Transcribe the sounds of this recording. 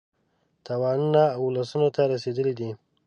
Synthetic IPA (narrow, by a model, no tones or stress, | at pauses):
t̪awɑnunaːwlasunot̪aɾased̪əlid̪i